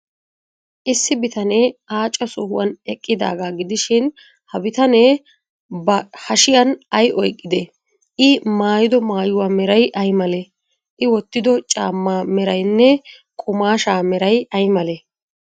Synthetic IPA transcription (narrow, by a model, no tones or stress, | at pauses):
ʔɪsːɪbɪt̪ɐneaːt͡ʃʼːɐsɔhʊ̰wɐnɛkʼːɪd̪a̰ːɡaːɡɪd̪ɪʃɪn | hɐbɪt̪ɐne | bɐhɐʃɪjɐnɐjʔɔjkʼːɪd̪e | ɪmaːjɪd̪ɔmaːjʊwaːmɛɾɐjʔɐjmɐlɛ | ʔɪwɔt̪ːɪd̪ɔt͡ʃʼa̰ːmːaːmɛɾɐjnːɛ | kʼʊmaːʃaːmɛɾɐjɐjmɐlɛ